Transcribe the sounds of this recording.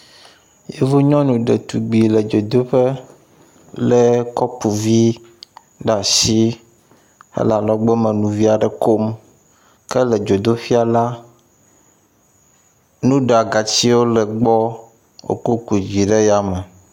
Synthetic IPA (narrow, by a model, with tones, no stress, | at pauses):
je˦vo˦ɲɔ̃˦nũ˨ɖe˨t̪u˨ɡ͡bi˨le˨d͡ʒo˨d̪o˦ɸe˦ | le˨kɔ˦pu˨vi˦ | ɖa˨si˦ | ḛ˦la˨lɔ˨ɡ͡be˦mẽ˨nũ˨vi˦a˨ɖɛ˨ko˦m | kɛ˦lɛ˨d͡ʒo˨d̪o˦fi˦a˨la˦ | nũ˦ɖa˨ɡa˨t͡ɕi˦wo˦le˨ɡ͡bɔ˦ | o̰˨ko˦ku˨d͡ʑi˨ɖe˦ja˦me˨